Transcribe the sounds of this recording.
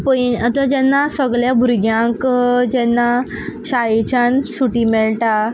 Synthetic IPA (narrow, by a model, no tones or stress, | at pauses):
pəiət̪əd͡ʑɛnːasəɡɭjabʱuɾɡjãŋkd͡ʑɛnːa | ɕaɭet͡ɕansuʈiːmɛɭʈa